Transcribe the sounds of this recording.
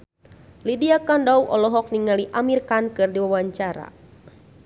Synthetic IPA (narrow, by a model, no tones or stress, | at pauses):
lidiakandawʔɔ̰lɔɦɔk̚niŋaliʔamirkankɨrdiwawaɲt͡ʃaɾa̰